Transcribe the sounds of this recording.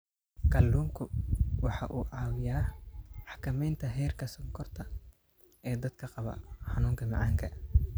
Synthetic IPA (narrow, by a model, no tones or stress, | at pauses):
kɑːlːuːmkʰʊwɑħɑ̰ʔuːʕɑːwɪjaːmɑħkʰɐmɛjnt̪ʰɐɦɛːrkʰɐsɐŋkʰɔrt̪ʰɐ | ɛːd̪ɐd̪kʰɐqɑβɐ̰ħɑnuːŋkʰɐmɑ̰ʕɑːŋkʰɐ